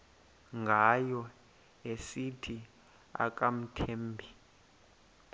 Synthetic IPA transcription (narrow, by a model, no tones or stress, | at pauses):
ŋɡʱajɔ | esitʰi | a̰k̬ʼam̩tʰeːmbʱi